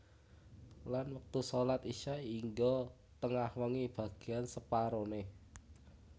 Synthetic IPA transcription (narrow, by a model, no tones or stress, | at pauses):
lanwək̚t̪usolat̪iʃaiŋɡɔ | t̪əŋahwəŋib̥a̤ɡ̥e̤ansəpaɾone